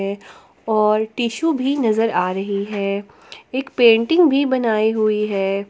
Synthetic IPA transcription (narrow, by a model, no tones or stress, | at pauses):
ɛ | ɔːɾʈiːʃubʱinɐzəɾaːɾɐɦiɦɛː | eːkpẽːɳʈɪ̃ŋɡbʱibɐnaːiɦʊiɦɛː